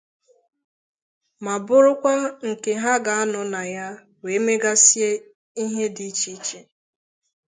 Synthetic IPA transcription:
ma˨bʊ˦ɾʊ˦kʷa˦ŋ̩˨ke˨ɦa˦ɡa˨a˦nʊ˨na˨ja˦ | we˨˦me˦ɡa˦si˦e˦ | i˦ɦe˦di˦t͡ʃi˦t͡ʃe˨

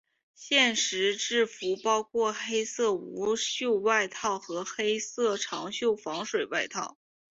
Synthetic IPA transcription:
ɕjɛ˥˩nʂɻ̩˧˥ʈ͡ʂɻ̩˥˩fu˧˥pɑ˥ʊkʰwɔ˥˩xe˥ɪsɤ˥˩u˧˥ɕjo˥˧ʊwa˥˧ɪt̪ʰɑ˥˩ʊxɤ˧˥xe˥ɪsɤ˥˩ʈ͡ʂʰɑ˧˥ŋɕjo˥˩ʊfɑ˧˥ŋʂwe˨˩ɪwa˥˧ɪt̪ʰɑ˥˩ʊ

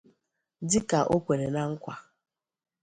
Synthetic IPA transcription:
dɪ˦ka˨ʔo˦kʷe˨ɾe˨na˦ŋ̩˦kʷa˨

